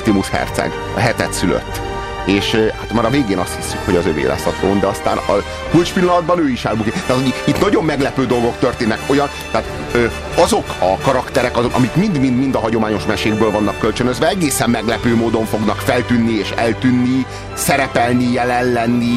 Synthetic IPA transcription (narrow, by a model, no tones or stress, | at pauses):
t̪imuʃhɛ̰rt̪sɛ̰ɡ | ɒɦɛt̪ɛt̪sylø̰t̪ː | eːʃhat̪maːɾɒveːɡeːnɒst̪hisːykho̞ɟɒzøvḛːlɛ̰sːɒt̪ɾoːnd̪ɛɒst̪a̰ːnɒ̰ | kult͡ʃpilːɒnɒd̪̚bɒnøːiʃaːlbukit̪aːt̪ʰoɟiit̪nɒɟo̞mːɛɡlɛpøːd̪o̞lɡo̞kt̪ø̞rt̪eːnːɛko̞jɒnt̪ɛːt̪ | øː | ɒzo̞kɒkɒɾɒkt̪ɛɾɛkɒzokɒ̰mikmind̪mind̪mind̪ɒɦɒɟo̞maːɲo̞ʃmɛʃeːɡ̚bøːlvɒnːɒkːølt͡ʃønøzvɛɛɡeːsɛmːɛɡlɛpøːmoːd̪o̞ɱfo̞ɡnɒkfɛlt̪ynːieːʃɛlt̪ynːi | sɛɾɛpɛlnijɛlɛnːɛnːi